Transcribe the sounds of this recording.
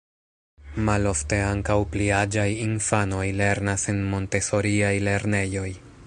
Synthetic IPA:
malo̞fte̞aŋkawpliad͡ʒajinfano̞jle̞ɾnasenmo̞nte̞so̞ɾiajle̞ɾne̞jo̞j

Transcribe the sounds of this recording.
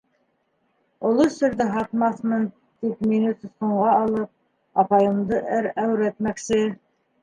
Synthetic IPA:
ŏlˠosɵ̆ɾðɘɦɑt̪mɑθmɤn | t̪ikminusɘ̆sqŏɴʁɑːlˠɤp̚ | ɑpɑjɤ̆md̪ɤʔɘɾæwɾæt̪mæksɘ

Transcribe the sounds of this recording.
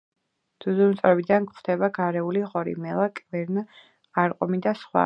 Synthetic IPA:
d̪̥uzumt̪sʼɾɛbid̪ankχd̪ɛbaɡaɾɛuliʁɔɾḭmɛlˠakʼvɛɾn | aɾqʼɔmid̪asχwa̰

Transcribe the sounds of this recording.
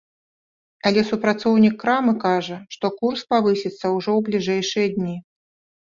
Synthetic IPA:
ɐlʲɛsupɾat̪sɔwnʲikːɾamɨkaʐɐʂt̪ɔkurspavɨsʲit̪sːɐwʐɔwblʲiʐɛjʂɨjɐd̪ʲnʲi

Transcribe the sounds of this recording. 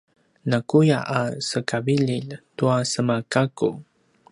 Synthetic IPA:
nakujaʔasəkabiʎiltuasəmakaku

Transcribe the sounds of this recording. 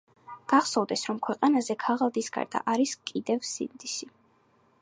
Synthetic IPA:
ɡ̥aχsɔvd̪ɛsɾɔmkʰwɛqʼanazɛkʰaʁalˠd̪isɡa̰ɾd̪a̰ʔaɾiskʼid̪ɛvsḭnd̪isi

